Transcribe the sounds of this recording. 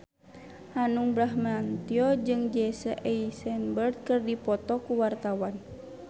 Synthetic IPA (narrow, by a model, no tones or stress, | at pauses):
hanuŋbɾaɦmant̪iɔd͡ʒɨŋd͡ʒɛsəʔɛisɛnbərd̪̚kɨrdipɔt̪ɔkuwart̪awan